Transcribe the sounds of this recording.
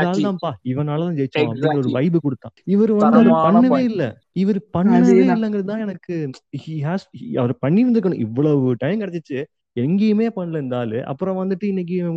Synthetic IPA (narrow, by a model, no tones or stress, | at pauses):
d̪aːlt̪ãːpaːɪʋɐnaːlɐt̪ãːd͡ʒɛjt͡ʃːɐpːɐɽɪ̃ŋɡɐlɐɔɾɯʋɐɪbɯkːɔɽɯt̪ːãːɪʋɐɾɯʋɐnd̪ɯɐɾɯpɐnːɯʋeːɪlːɛ̰ | ɪʋɐɾɯpɐɳːɯʋʋeːɪlːɛŋɡɪɾɐðɯt̪ãːɛnɐkːɯhiɦaːshiɐʋɐɾpɐɳːiʋɐnd̪ɾɯkːɐɳʊ̃ʔɪʋːɐɭɐʋɯʈɐjmkɐɽɛt͡ʃːɯt͡ʃːɯ | ɛŋɡɪjɐmeːpɐɳːɐlɐnd̪aːlʔɐ̰pːɯɾɔ̃ʋɐnd̪ɯʈːɯɪnːɛŋɡɪjɐmeː